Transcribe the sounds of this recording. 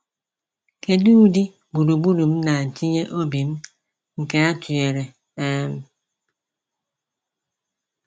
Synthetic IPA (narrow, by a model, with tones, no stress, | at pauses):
ke˨du˦di˦ | bu˨ɾu˨bu˦ɾu˨m̩˦na˨ti˦ɲe˦ʔo˦bi˨m̩˦ | ŋ̩˨ke˦a˦tu˨e˨ɾe˨ | ɛ˦m˦˨